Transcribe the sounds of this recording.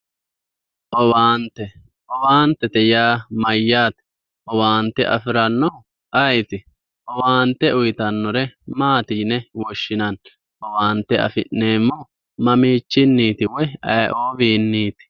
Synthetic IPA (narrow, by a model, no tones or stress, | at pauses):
ʔɔwaːnt̪ːɛ | ʔɔwaːnt̪ːɛt̪ɛjaːmɐjːaːt̪ | ʔɔwaːnt̪ːɛʔɐfɪɾɐnːɔ | ʔɐjt̪ɪ | ʔɔwaːnt̪ːɛʊjɪt̪ɐnːɔɾɛmaːt̪iːnɛwɔʃːɪnɐn | ʔɔwaːnt̪ːɛʔɐ̰fɪ̰nːe̞ːmːɔ | mɐmiːt͡ʃːɪnːiːt̪ɪwɔjɐjʔoːviːnːiːt̪ɪ̥